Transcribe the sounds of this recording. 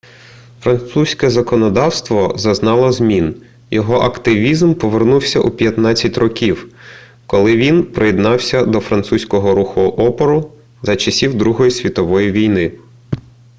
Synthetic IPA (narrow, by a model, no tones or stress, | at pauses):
fɾɐnt̪susʲkɛzɐkɔnɔd̪ɑwst̪ʋɔzɐznɑlˠɔzmʲin | jɔɦɔʔɐkt̪ɪʋʲizmpɔʋernuwsʲɐʔupʲjɐt̪nɑt͡sʲːɐtʲrɔkʲiw | kɔlˠɪʋʲinpɾɪjɛd̪nɑwsʲɐd̪ɔfɾɐnt̪susʲkɔɦɔɾuxʊʔɔpɔɾʊ | zɐt͡ʃɐsʲiwd̪ɾuɦɔjisʲʋʲit̪ɔʋɔjiʋʲijnɪ